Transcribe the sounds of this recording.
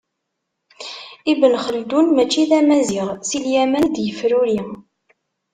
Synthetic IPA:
ibənχəld̪unmæt͡ʃːiðæmæziʁsiljæmænd̪jəfɾuɾi

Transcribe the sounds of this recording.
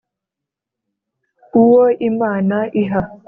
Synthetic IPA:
uwoʔimanaʔiɦa

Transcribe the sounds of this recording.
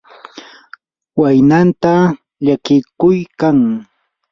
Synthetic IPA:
wajnant̪a | ʎakɪkʊjkaŋ

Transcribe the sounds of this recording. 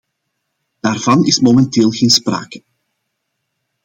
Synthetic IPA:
d̥aːrv̥ɑnɪsmomɛnteːlˠɣeːnspra̰ːkə

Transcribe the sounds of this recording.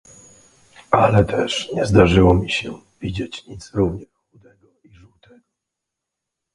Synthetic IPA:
alɛt̪ʰɛʂɲɛzd̪aʐɘwɔmʲiɕɛ | vʲid͡ʑet͡ɕɲit̪sɾuvɲɛxxud̪ɛɡɔiʐuwt̪ɛɡɔ

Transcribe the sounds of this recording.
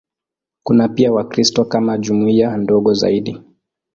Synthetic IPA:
kunapiawakɾistɔkamaʄumuiandɔɠɔza̰iɗi

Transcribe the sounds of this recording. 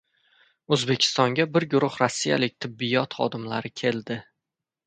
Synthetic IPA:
ɵzbekʲʰɪ̥st̪ɒŋɡʲabɪɾɡʊɾʊχɾɒsːija̰lɪk̚ʲt̪ʰɪbːɪjɒt̪χɒ̰d̪ɪmlaɾɪkʲʰe̞ld̪ɪ

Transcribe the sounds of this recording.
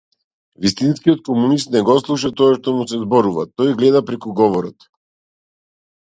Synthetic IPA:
vist̪inskiɔt̪̚kɔmunist̪nɛɡɔslˠuʃ̬at̪ɔaʃt̪ɔmusɛzbɔɾuva̰t̪ɔjɡlɛd̪apɾɛkuɡɔvɔɾɔt̪

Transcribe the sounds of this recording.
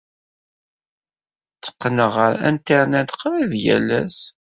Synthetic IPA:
t͡sːə̥qːnəʁəɾæ̰nt̪aɾnæd̪qɾiðjæ̰lːæs

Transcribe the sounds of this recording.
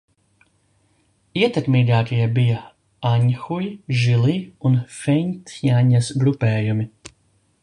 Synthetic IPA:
iɛt̪ɛkmiːɡaːkijɛbija | aɲxujʒilˠiːunfɛnʲt̪jaɲasɡɾupɛːjumi

